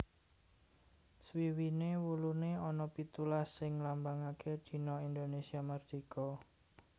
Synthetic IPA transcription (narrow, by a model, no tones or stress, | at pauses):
swiwinewuluneɔnɔpit̪ulasːɪŋlambaŋaked̪̥i̤nɔind̪onesiamərd̪̥ikɔ